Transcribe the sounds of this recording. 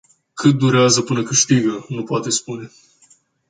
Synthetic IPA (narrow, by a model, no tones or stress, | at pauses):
kʰət̪̚d̪oɾʲazɐpunɐkəʃt̪iɡənopwat̪ɛspunʲɛ